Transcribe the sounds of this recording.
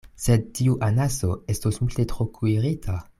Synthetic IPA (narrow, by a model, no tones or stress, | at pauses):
se̞d̚tiuʔanaso̞e̞stosmulte̞tɾokʰuiʁitʰa